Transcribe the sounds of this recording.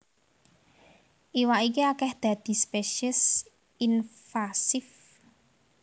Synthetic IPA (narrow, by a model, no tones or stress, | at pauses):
ʔiwaʔikiakɛhd̪̥a̤d̪̥i̤speʃəs | infasɪf